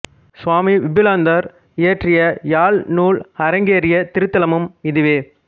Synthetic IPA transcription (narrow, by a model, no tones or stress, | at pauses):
sʋaːmiʋɪbɪlaːnd̪ɐɾ | ɪɐʈrɪjɐjaːlnuːlhɐɾɐŋɡeːɾɪjɐt̪ɪɾɯt̪ːɐlɐmɯmɪðɪʋeː